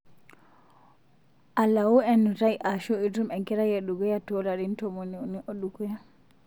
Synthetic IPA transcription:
ʔalːawɔɛnːutajʔaʃɔidɾumɛŋkɛɾajeɗuɡɔjatɔlaɾintɔmonioniʔoɗuɡɔja

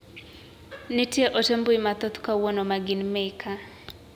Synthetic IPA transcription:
nɪtjeʔɔtemboimat̪ɔt̪kawɔnomaɡɪnmɛkʰa

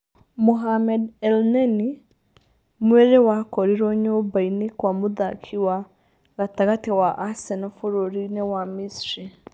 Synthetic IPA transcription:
muɦamɛdɛlneni | mweɾewakɔɾiɾoɲobainikwamuðakʰiwa | ɣataɣatiwaʔasɛnɔfoɾoɾinewamisɾi

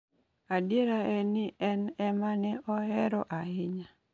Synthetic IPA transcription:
adjeɾaɛnɪɛnɛmanɛʔɔɛɾɔʔaɦɪɲa

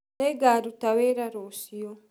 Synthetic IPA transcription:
neɡaːɾutaweːɾaɾoːsijo

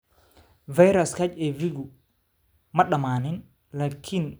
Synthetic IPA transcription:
vajɾaskacɛviɡu | mɐɗamaːnin | lakʰin

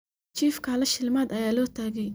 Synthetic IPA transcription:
t͡ʃiːfkʰɐlɐʃɪlmaːd̪ɐjaːlɔːt̪ʰaːɡɛj

